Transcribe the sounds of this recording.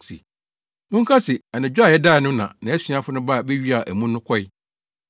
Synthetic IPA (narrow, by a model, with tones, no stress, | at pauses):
sḭ˨ | mʊ̃˦ŋ̩˦kʰa˦sɪ˨a˨nɪ̃˨d͡ʑᶣa˨jɛ˦daː˦˨nʊ̃˦nã̰˨nã˨˦æ˦sɥã˦fʊ˦nʊ̃˦ba˦˨be˦ɥi˦a˨ʔæ˨mũ˦nːʊ̃˦kʰɔ˦ɪ˦